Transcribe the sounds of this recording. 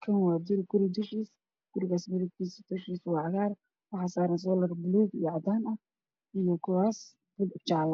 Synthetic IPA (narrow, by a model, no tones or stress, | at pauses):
kʰɐnwɑːd̪ʊɾɪɡʊɾɪd̪ʊʃiːs | ɡ̥ʊɾɪɣaːsmɪðɪɡt̪ʰiːsd̪̥ʊʃiːswɑːʕɑɣaːr | wɑħɑːsaːɾɐns̬ɔːlɐrbʊluːɡijɔʕɑd̪aːnɐ | ijɔkʰʊwaːs | b̥ʊlt͡ʃaʕl